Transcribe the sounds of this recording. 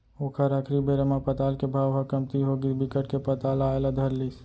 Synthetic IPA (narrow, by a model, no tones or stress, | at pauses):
oːkʰəɾəkʰɾibeɾəmapət̪aːlkebʱaːʋɦəkəmt̪iɦoɡibɪkəʈ̚kepət̪aːlaelad̪ʱəɾlis